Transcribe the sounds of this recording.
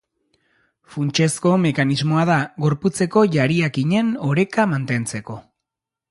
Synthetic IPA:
funt͡ʃe̞sko̞me̞kanizmo̞aðaɣo̞ɾput͡se̞ko̞ʝaɾiakiɲe̞no̞ɾe̞kamant̪e̞nt͡se̞ko̞

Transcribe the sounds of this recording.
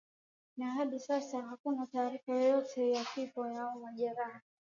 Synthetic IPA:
naɦaɗisasahakunataːɾifajɔjɔtʰɛjakifɔjaɔmaʄɛɾaha

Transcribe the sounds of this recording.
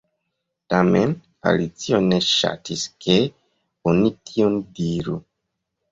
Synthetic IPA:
tamḛn | a̰lit͡sio̞ne̞ʃa̰tʰiske | onitʰiondiɾu

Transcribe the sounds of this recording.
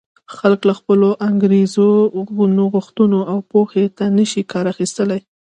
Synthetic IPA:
xalklaxpəloʔaŋɡɾezoɣunoɣʊxt̪unoawpoxet̪anəʃikɑɾaxist̪əlaj

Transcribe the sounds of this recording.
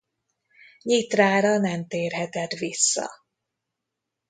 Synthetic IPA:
ɲit̪raːɾɒnɛmt̪eːrɦɛt̪ɛt̪ʋisːɒ̰

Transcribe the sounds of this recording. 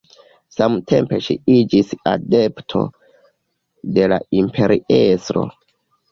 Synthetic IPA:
samtʰe̞mpe̞ʃiid͡ʒisa̰de̞ptʰo̞̰ | de̞la̰impʰe̞ɾiesɾo̞̰

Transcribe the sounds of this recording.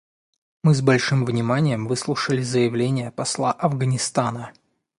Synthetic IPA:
mɨzbɐlʲʂɨmvnʲɪmanʲɪjəmvɨslˠuʂəlʲɪzəjɪvlʲenʲɪjəpɐslˠaʔɐvɡənʲɪst̪anə

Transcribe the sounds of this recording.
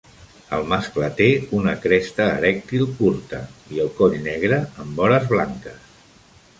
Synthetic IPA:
əlˠmasklət̪eunəkɾɛst̪əːɾɛk̚t̪ilˠkuɾt̪əiəlˠkɔʎnɛɣ̞ɾəːmbɔɾəzβlaŋkəs

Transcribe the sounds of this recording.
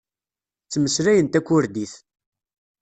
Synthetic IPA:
t͡sːməsɾæjənt̪ækʷːʊɾd̪iθ

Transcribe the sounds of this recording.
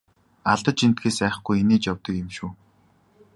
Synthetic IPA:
aɮt̪ə̆t͡ɕin̥t̪̚ɡeːsæːχ̆χɡujeneːt͡ɕjɔwt̪ɞ̆kɪmʃuː

